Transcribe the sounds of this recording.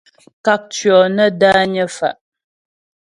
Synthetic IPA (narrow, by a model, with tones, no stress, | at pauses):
ka˦k̚t͡ʃɥɔ˨nə˦daː˦ɲə˦fa˨ʔ